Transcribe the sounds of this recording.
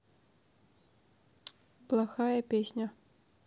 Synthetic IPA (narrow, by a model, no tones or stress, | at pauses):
plˠɐxajɐpʲesʲnʲo